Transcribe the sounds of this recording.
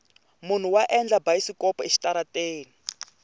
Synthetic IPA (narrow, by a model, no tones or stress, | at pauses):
mun̤uwaʔɛnd͡ɮabaisikɔpɔeʃi̥taɾateːni